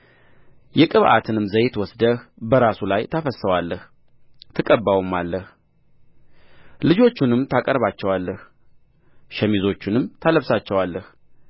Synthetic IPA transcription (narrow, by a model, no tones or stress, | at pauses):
jɛkʼɨβʔa̰t̪ʰɨnɨmzəjt̪wɔsd̪əhbəɾasulajt̪ʰəfəsəwalːəh | t̪ʰɨkʼəbːawumːalːəh | lɨd͡ʒo̞t͡ʃːunɨmt̪ʰakʼəɾβat͡ʃːɛwalːəh | ʃɛmizo̞t͡ʃːɪnɨmt̪ʰaləβsat͡ʃːɛwalːəh